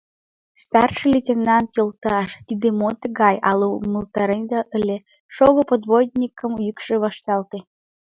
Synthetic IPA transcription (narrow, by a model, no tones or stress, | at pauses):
st̪ɑrʃɨlʲetʲenɑnt̪jəlt̪ːʃt̪id̪emot̪əɡɑjʔɑ̰loməlt̪ɑɾend̪ɑʔəlʲe | ʃoɣəpod̪vod̪ʲnʲikə̆mujykʃeβɑʃt̪ɑlt̪e